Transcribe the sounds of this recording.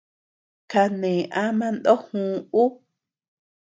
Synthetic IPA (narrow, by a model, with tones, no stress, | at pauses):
ka˧nẽ˨ʔa˦mã˦nd̪o˦hũ˧˦˧u˦